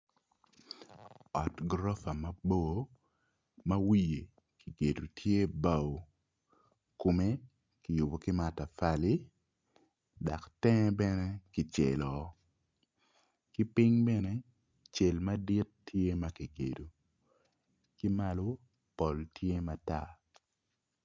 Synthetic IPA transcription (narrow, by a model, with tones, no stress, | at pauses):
ɔ˨tɡɾɔ˦fa˨ma˦bo˦ | mɐ˦wi˦je˨ | ki˨ɡe˨du˨tʰje˦ba˦˨wo˨ | ko˨me˦ | ki˨jʊ˨bo˨ki˦ma˨ta˨fa˦li˦ | da˨ktɛ˦bɛ˦nɛ˦ki˨t͡ʃe˨lɔ˨ | ki˦pi˦ŋbɛ˦nɛ˦ | t͡ʃe˨lma˦di˦tːje˦ma˦ki˨ɡḛ˨du˨ | ki˦ma˦lo˦ | pɔ˨ltʰje˦ma˨ta˦˨